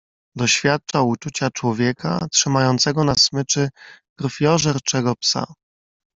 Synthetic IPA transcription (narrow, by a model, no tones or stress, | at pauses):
d̪ɔɕfʲjat̪̚t͡ʂaut͡ʂut͡ɕat͡ʂwɔvʲjɛkʰa̰tʂɘmajɔnt̪sɛɡɔnasmɘt͡ʂɘkɾfʲjɔʐɛɾt͡ʂɛɡɔpsa̰